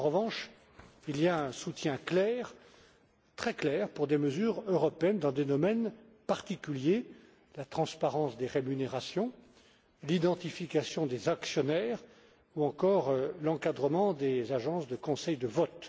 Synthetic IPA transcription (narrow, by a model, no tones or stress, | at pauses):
ɑ̃ʁəvɑ̃ʃ | ilijaɛ̃sut̪jɛ̃klɛʁ | t̪χɛklɛʁpuʁd̪eməzyʁøʁɔpeɛnd̪ɑ̃d̪ed̪ɔmɛn | paʁt̪ikʲylje | lat̪χɑ̃spaʁɑ̃sd̪eʁemyneʁasjɔ̃ | lid̪ɑ̃t̪ifikasjɔ̃d̪ezaksjɔnɛʁ | uɑ̃kɔʁlɑ̃kad̪ʁəmɑ̃d̪ezaʒɑ̃sd̪əkɔ̃sɛjd̪əvɔt̪